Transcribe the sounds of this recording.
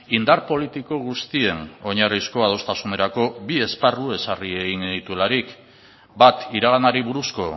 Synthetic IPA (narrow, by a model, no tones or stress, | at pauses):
ind̪aɾpo̞lit̪iko̞ɣ̞ust̪ie̞no̞ɲarisko̞að̞o̞st̪asune̞ɾako̞bie̞sparue̞sarie̞ɣinit̪uelaɾik | bat̪iɾaɣ̞anaɾiβuɾusko̞